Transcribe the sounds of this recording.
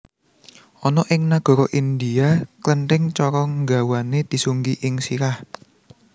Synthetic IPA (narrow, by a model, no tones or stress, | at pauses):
ʔɔnɔʔɪŋnaɡ̥ɔ̤ɾɔʔind̪iaklənʈɪŋt͡ʃɔɾɔŋɡa̤waned̪̥i̤suŋɡiʔɪŋsiɾah